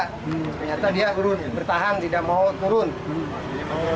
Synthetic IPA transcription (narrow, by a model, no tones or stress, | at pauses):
t̪ərɲat̪adiat̪uɾʊnbərt̪aɦant̪idaʔmaut̪uɾʊn